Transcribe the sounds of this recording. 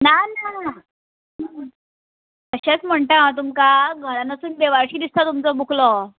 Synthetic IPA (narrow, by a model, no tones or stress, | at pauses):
nana | t̪əɕat͡sm̤əɳʈ̪aat̪̬umkaɡʱəɾanəsuːnd̪eʋaɾɕiːd̪ist̪at̪umt͡sɔbukʰlɔ